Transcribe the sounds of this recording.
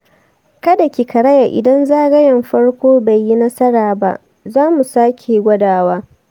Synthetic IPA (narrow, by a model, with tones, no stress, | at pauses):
kɐ˦da˨kʲi˨kɐ˨ɾɐ˦ja˨ʔɪ̰˨dɐ˦nzaː˦ɡɐ˦jɐ˨mɸɐ˦ɽkʷoː˦ba˨jːi˦nɐ˦sɐ˦ɽaː˨ba̰˦ʔ | zaː˦mu˨saː˦kʲʰe˨ɡʷɐ˦daː˨waː˦